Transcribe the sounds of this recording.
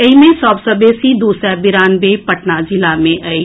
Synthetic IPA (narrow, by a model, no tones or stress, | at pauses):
eimẽsɔːbsəbesid̪uːsɛbɪɾaːnbepɐʈnad͡ʒɪlamẽʔai